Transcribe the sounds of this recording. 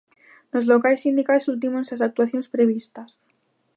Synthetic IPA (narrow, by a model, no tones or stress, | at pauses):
lo̞zlo̞kaesind̪ikalesult̪̬imonsas̬ak̚t̪uaθjo̞nespɾe̞β̞ist̪as